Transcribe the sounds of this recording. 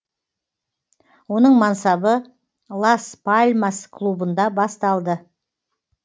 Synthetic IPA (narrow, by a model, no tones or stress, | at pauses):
wo̞nəɴmɑnsɑbə | lˠaspʰalʲmaskʰlˠubənd̪ɑbɑst̪ɑlˠd̪ə